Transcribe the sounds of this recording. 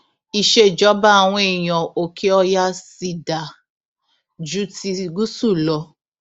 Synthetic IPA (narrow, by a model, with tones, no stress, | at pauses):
i˨ʃe˦˨d͡ʒɔ˨˦ba˦a˨w̃ɔ̃˧e˨j̃ɔ̃˨o˨kʰe˦ɔ˧ja˦si˧da˨ | d͡ʒu˦ti˧ɡu˦su˦˨lɔ˧